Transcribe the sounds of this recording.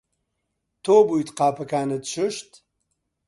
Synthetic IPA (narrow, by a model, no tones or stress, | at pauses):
t̪ʰoːbujt̪qaːpɐkaːnɐd̪ʃɨʃt̪